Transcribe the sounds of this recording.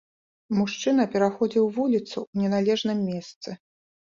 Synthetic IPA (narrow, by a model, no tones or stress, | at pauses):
muʂt͡ʂɨn̪ɐpʲɛɾaxɔd͡zʲiwvulʲit̪suwnʲɛnalʲɛʐnɨmːʲɛst̪sɨ